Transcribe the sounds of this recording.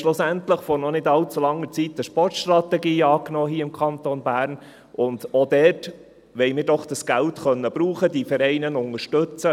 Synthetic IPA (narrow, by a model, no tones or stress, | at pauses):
ʃlʊsæntləχfɔɾnɔnɪdɑlt͡sulɑŋːəɾt͡sitəʃpɔrtʃt̪rɑtɛɡiːɑːknoːɦiːəɪmkʰɑnt̪onbæːɾn | ʔʊndod̥ɛt | ʋɛɪmɪːɾdɔχd̥ɑsɡ̥æltχœnːəbɾuːχədifɛɾɛɪnənʊŋəɾʃtɵt͡sə